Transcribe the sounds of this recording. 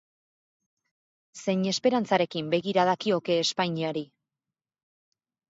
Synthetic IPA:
se̞ɲe̞spe̞ɾant͡saɾe̞kimbe̞ɣiɾaðakio̞ke̞ːspajɲiaɾi

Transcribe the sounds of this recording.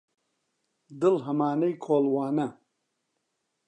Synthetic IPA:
d̪ɨlɦɐmaːnɐjkʰoːlwaːnɐ

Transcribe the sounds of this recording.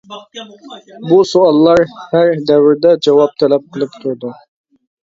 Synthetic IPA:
busuɑlˠːɑɾhæɾd̪æwɪɾd̪ɛd͡ʒɑwɑp̚t̪ʰælæp̚qʰəlˠɨpt̪ʰuɾd̪ʊ

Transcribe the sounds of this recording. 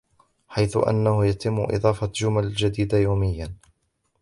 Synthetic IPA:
ħajθʊʔa̰nːahʊjat̪ɪmːʊʔɨ̰d̪ˤɑːfɑd͡ʒʊmald͡ʒad̪iːd̪ajawmɪjːan

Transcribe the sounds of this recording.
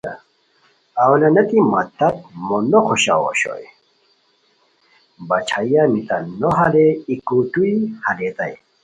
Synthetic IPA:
awlɐnɐt̪imɐt̪ɐt̪̚monokʰoɕa̰wo̰ɕo̰ | bɐt͡ɕʰajanit̪ɐnoɦɐleikuʈuihɐlet̪aj

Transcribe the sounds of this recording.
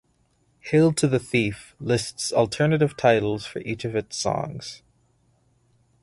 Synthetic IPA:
hɪlˠtʰɨðɨθiflɪstsl̩ˠtʰɜ˞nɨɾɨv̥tʰaɪɾl̩ˠz̥fə̰˞ʔit͡ʃʌvɨtsɔ̰̃ŋz̥

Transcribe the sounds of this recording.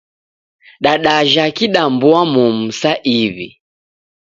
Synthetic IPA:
ɗaɗaʒakiɗambuamum̩saʔiβḭ

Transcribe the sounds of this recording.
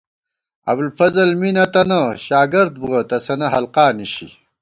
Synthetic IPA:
ɐ̰blfɐzɐlminɐt̪ɐnɐɕaːɡɐɾd̪̚buʁɐt̪ɐsɐnɐɦɐlqaːniɕḭ

